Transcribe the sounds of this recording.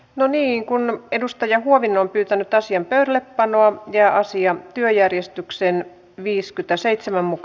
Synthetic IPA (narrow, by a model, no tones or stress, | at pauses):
noniːŋkunedust̪ɑjɑhuoʋinːˑoːmpyːt̪ænyt̪ɑsiɑmpøyɾæleppɑnoɑjæːʔɑsiɑt̪yøjærjest̪yksen | ʋiːskyt̪æseit̪semæmmuk